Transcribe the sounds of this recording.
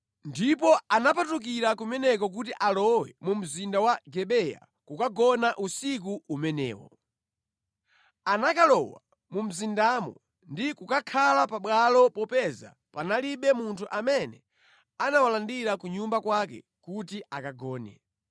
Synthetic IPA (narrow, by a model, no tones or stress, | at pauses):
ndipɔanapatuk̬iɾakumɛnɛk̬ɔk̬ut̬iʔalɔwɛ̰mum̩zindawaɡɛɓɛja̰ | kukaɡɔnaʔusik̬uumɛnɛ̰ːwɔ̰ | anakalɔwa | mum̩zindamɔ̰ | ndikukakʰalapaɓwalɔpɔpɛza̰ | panaliɓɛmuntʰuʔamɛnɛ | anawalandiɾakuɲumbakwakɛ̰ | kutiʔakaɡɔːnɛ̰